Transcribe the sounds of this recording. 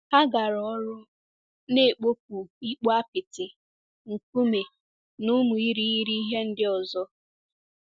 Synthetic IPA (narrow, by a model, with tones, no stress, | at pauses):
ha˦ɡa˨ɾɔ˦ɾʊ˦ | ne˦˨k͡po˦p̚u˨i˦k͡pɔ˦a˦pɪ˨tɪ˨ | ŋ̩˨ku˦me˨ | nʊ˦mu˨i˦ɾi˦i˦ɾi˦i˦ɦe˦n̩˦dɪ˦ɔ˨zɔ˦